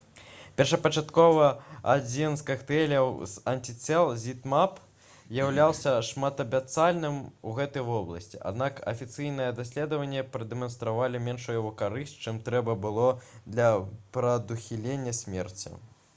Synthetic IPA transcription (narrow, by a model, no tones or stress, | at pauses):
pʲɛrʂɐpɐt͡ʂat̪kɔvɐa̰d͡zʲinskaxt̪ɛlʲɐwz̥ɐnʲtʲit̪sɛlˠzʲit̪map | zjawlʲawˠsʲɐʂmat̪ɐbʲat̪salʲnɨmuɣɛt̪ɨjvɔblˠɐ̰sʲt͡sʲiʔa̰d̪nakɐ̰fʲit̪sɨjnɨjɛd̪asʲlʲɛd̪ɐvɐnʲːɛpɾɐd̪ɛmɐnst̪ɾavalʲimʲɛnʂujuvukaɾɨsʲtʲt͡ʂɨmt̪ɾɛbɐbɨlˠɔd̪lʲɐpɾɐd̪uxʲilʲenʲːɐsʲmʲɛrt͡sʲḭ